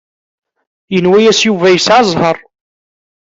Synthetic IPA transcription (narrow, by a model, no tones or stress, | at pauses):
jənwæjæsjuvæjəsʕɑzˤhɑɾˤ